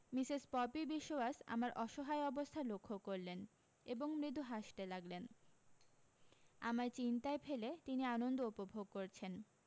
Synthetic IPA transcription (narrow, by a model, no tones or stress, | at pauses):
misispɔpibiʃːoasa̰maɾʔɔʃoɦaeɔbost̪ʰalokʰːokːoɾlen | eboŋmɾid̪uɦaʃʈalaɡlen | amaɾt͡ɕint̪aefʰelet̪inianond̪oupobʱoɡkoɾt͡ɕʰen